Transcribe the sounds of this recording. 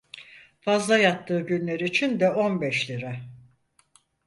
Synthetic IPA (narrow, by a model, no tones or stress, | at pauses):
fazlˠajat̪ʰːɯːɟynlʲeɾiːt͡ʃʰind̪ɛo̞nbɛʃlʲiɾɛ